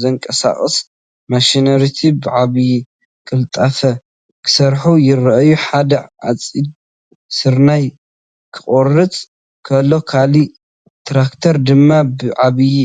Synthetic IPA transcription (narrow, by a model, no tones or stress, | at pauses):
zɐŋkʼɐsa̰χʼɨ̰s | mɐʃinɐɾit̪ʰibɨʕaβji | kʼɨlt̪ʼɐfɐ | kʰɨ̥sɐɾħujɪɾɐʔɐjuħad̪ɐʕa̰t͡sʼid̪ | sɨɾnaj | kʰɨ̥χʼorɨt͡sʼ | kʰɐlːo̞kʰali | t̪ʰɾakt̪ʰɐɾd̪ɨmːabɨʕaβji